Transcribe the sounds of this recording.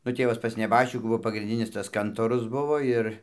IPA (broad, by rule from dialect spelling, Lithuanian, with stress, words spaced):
nʊ ˈtʲeːʋɐs pɐs nʲɛˈbɑːʃʲt͡ʃʲɪkuː ˈbuɔ pɐɡrʲɪnʲˈdʲɪnʲɪs tɐs ˈkɐntoːrʊs ˈbʊʋoː ɪr